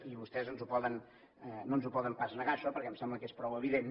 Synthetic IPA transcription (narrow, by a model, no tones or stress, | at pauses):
iβust̪ɛzənzupɔðən | nonzupɔðəmpaznəɣaʃɔpəɾkɛmsɛmbləkespɾɔwəβ̞iðen